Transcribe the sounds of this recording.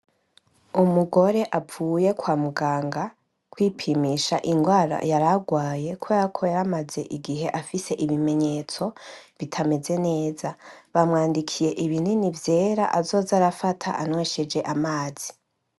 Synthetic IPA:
umuɡo̞ɾe̞ʔauːje̞kwaːmuɡaːŋɡa | kwiːpʰimiːʃa̰ʔiŋɡwaːɾa̰jaɾaɡwaːje̞kʰuakʰojaɾamaze̞ʔiɡiɦe̞ʔafise̞ʔiβime̞ɲe̞t͡so̞βitʰame̞ze̞ne̞ːzaβamŋaːndikʰije̞ʔiβininivje̞ːɾaʔazo̞ːzaɾafatʰaʔa̰nweʃe̞d͡ʒe̞ʔamaːz̥i

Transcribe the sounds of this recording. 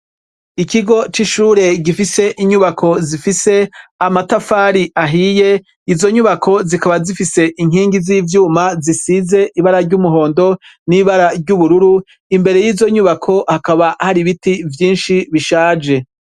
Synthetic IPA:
ikiɡo̞t͡ʃiʃuːɾe̞ɡifise̞ʔiɲuβakʰo̞zifise̞amatafaːɾiʔaɦije̞ | izo̞ɲuβakʰo̞zikaβazifise̞ʔiŋ̥ɦiːŋɡiziːvjuːmazisize̞ʔiβaɾaɾɟumuɦo̞ːndo̞niβaɾaɾɟuβuɾuɾu | imbe̞ɾe̞jiːzo̞ɲuβakʰo̞hakaβahaɾiβitivjiːnʃiβiʃaːd͡ʒe̞

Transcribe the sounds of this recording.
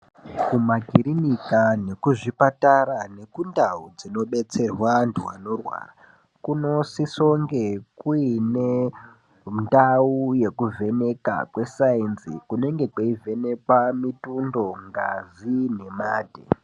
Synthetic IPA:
kumaɡʱiɾinikane̞kuʐipataɾane̞kundaud͡zino̞ɓe̞t͡se̞rwanduwano̞rwa̰ːra | kuno̞siso̞ŋɡekuine | ndauje̞kuvʱe̞ne̞ka̰kwe̞sainzikune̞ŋɡe̞kwaive̞ne̞kwamitundo̞ŋɡazine̞maːdʱḛ

